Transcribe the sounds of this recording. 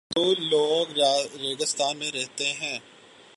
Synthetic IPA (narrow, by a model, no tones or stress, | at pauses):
d̪oːloːɡɾeɡəst̪aːnmẽɾɛɦt̪eɦɛ̃ː